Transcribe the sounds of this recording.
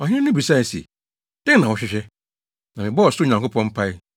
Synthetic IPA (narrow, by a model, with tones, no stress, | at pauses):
ɔ˨hɪ̃˦nʊ̃˦bi˨sa˦i˨sḭ˨ | d̥ɪ̃˦nã˨wʊ˨ɕᶣɪ˦ɕᶣɛ˦ | nã˨mɪ̃˨bɔ˦ɔ˨sʊ˦˨ɲã˨ŋko˦pʰɔ̃˦m̩˦pʰa˦ɪ˦